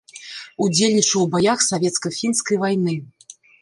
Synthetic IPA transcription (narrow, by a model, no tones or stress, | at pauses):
ud͡zʲelʲnʲit͡ʂɐwbajaxsavʲɛt̪skɐfʲinskɐjvajnɨ